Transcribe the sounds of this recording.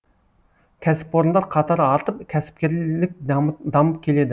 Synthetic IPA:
kʲʰɛsɪ̥pːoɾnd̪ˠɑɾqʰɑt̪ʰɑɾɑɾt̪ʰəpkʲʰɛsɪ̥p̚kʲeɾlɪk̚ʲd̪ɑmɨp̚kʲʰeled̪ɪ

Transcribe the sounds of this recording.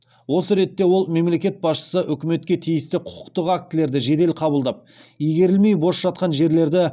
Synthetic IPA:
wo̞səɾe̞t̪ːe̞wo̞lˠme̞mle̞kʲe̞t̪̚bɑsʃə̥səʔʏkʲɪme̞t̪̚kʲe̞t̪ʰijɪst̪ɪqʰʊ̥ʊ̥qt̪əqak̚t̪ɪle̞ɾd̪ɪʒe̞d̪e̞lqʰɑbəlˠd̪ɑp̚ijɡʲe̞ɾɪlmejbo̞sʒ̥ɑt̪̚qɑnʒe̞ɾle̞ɾd̪ɪ

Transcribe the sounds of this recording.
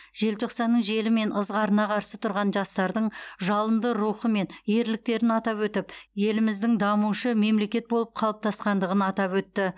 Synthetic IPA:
ʒ̥e̞lt̪ʰo̞qsɑnːəɴʒe̞lɪme̞nʔəzʁɑɾənɑqʰɑɾsət̪ʰʊɾʁɑnʒɑst̪ɑɾd̪əɴʒɑlˠənd̪əɾuχəme̞nje̞ɾlɪk̚t̪e̞ɾɪnɑt̪ɑpwɵt̪ɪpje̞lɪmɪzd̪ɪŋd̪ɑmuʃəme̞mle̞kʲe̞t̪̚bo̞lˠəp̚qʰɑlˠəp̚t̪ʰɑsqɑnd̪əʁənɑt̪ɑpwɵt̪ːɪ

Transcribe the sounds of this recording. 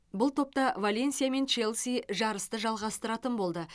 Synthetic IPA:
bʊlˠt̪ʰo̞p̚t̪ɑvalʲe̞nsijame̞nt͡ʃe̞lˠsiʒɑɾəst̪əʒɑlˠʁɑst̪əɾɑt̪ənbo̞lˠd̪ə

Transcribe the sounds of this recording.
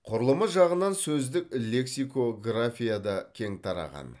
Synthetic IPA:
qʰʊɾəlˠəməʒɑʁənɑnsɵzd̪ɪkʲlʲe̞ksijko̞ɡrafʲijad̪ɑkʲʰe̞ŋt̪ʰɑɾɑ̰ʁɑ̰n

